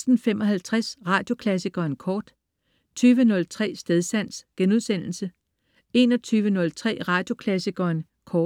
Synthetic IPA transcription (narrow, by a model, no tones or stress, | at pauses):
sd̥n̩femɒ̽ɦælt͡sʰʁasʁɑ̈ːd̥jo̝kʰlæs̬iɡ̥ɐːnkʰɒːd̥ | t͡sʰyːʋənɔ̽lt͡sʰʁɛ̰ːsd̥eðˠsæn̰sɡ̥enuðˠsen̰l̩sə | e̝nɒ̽t͡sʰyːʋənɔ̽lt͡sʰʁɛ̰ːʁɑ̈ːd̥jo̝kʰlæsiɡ̥ɐːn | kʰɒː